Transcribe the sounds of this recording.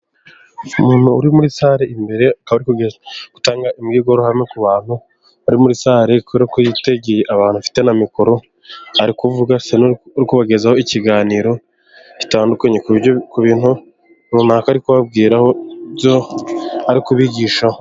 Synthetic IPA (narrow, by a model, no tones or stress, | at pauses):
umuːn̥huːɾimuɾisaɾeimbe̞ɾe̞akaβaɾikuɡeɡ̥utaːŋɡaʔimɡiːɡo̞ɾohamŋe̞kuβaːn̥hu | aɾimuɾisaːɾekuβɾakojite̞ɡejeʔaβaːn̥hufi̥te̞namikoɾo̞ | aɾikuvuɡasenuɾikuβaɡe̞zaho̞iciɡaːniːɾo̞ | ci̥taːndukaɲekukuβiːnhu | nuːnaːkaːɾikuβab̚ɡiːɾahobjoaɾikuβiɟiːʃao